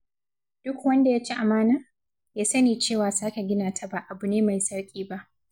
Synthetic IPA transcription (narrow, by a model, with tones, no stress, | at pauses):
d̥ʊ˦kwɐ˦nda˨jaː˦t͡ʃi˦ʔa˨maː˦naː˦ | jaː˦sɐ˦neː˨t͡ʃeː˦˨waː˨saː˦ka˨ɡʲɪ˦naː˨tʰa˦ba˨ʔa˨bu˨neː˦ma˨jsɐ˦ɽkʲʼiː˦ba˦ʔ